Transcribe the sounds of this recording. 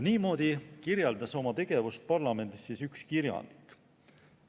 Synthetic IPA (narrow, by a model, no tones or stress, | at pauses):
niːmo̞ːd̪̥ikiɾjɑld̪̥ɑso̞mɑt̪e̞ɡ̥e̞vust̪̚pɑrlɑme̞nd̪̥isːisykskiɾjɑ̰nd̪̥i̥kːˑ